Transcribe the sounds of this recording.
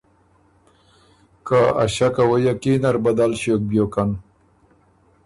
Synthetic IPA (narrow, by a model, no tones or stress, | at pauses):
kaa̰ɕakawajakinaɾbad̪alɕok̚bjokan